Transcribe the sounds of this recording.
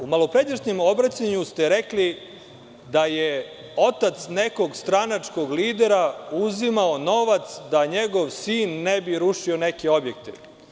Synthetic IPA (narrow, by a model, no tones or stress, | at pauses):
umalo̞pɾed̪eʃɲemo̞bɾat͡ɕaɲust̪eɾekli | d̪aje | o̞t̪at̪sneko̞ɡst̪ɾanat͡ʂko̞ɡliːd̪eɾauzimaono̞ʋat̪sd̪aɲeɡo̞ʋsiːnːebiɾuʃio̞nekeo̞bjek̚t̪ḛ